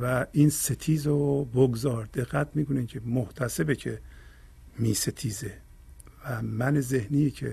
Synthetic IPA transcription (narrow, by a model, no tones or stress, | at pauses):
væiːnset̪ʰiːzoboɡzɒːɾd̪e̞ɣːæt̪ʰmiːkʰonicʰemoht̪ʰæsebecʰe | miːset̪ʰiːze | væmænezehniːjcʰḛ